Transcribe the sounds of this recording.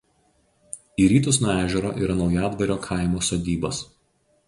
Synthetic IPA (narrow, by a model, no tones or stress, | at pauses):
iːɾʲiːt̪ʊsnuːæːʒʲɛɾo̰ːʔiːɾɐnɒʊjɑːd̪ʋɐɾʲoːkʰɑˑɪmoːsoːd̪ʲiːbɐs